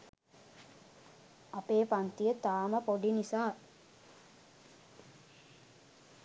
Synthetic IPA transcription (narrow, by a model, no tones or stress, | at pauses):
ɐpeːpant̪ijət̪aːməpoɖinisaː